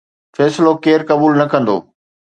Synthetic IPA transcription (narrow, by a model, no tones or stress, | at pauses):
fɛːsɪlokeːɾkɐbuːlnɐkɐ̃nd̪o̰ː